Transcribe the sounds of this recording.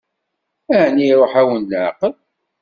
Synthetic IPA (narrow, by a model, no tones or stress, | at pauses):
æʕniɾˤoħæwənːaʕqəl